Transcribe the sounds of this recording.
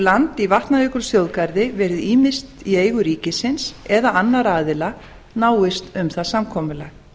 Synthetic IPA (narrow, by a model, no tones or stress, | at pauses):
lant̪ivaht̪naiːkʏɾ̥sjowðkajɾðɪvɛːɾɪðiːmɪst̪ieːjɣʏɾiːcɪsɪnsɛðaʔanːaɾaːðɪla | naːwɪst̪ʏmθaðsamkʰɔːmʏlaɣ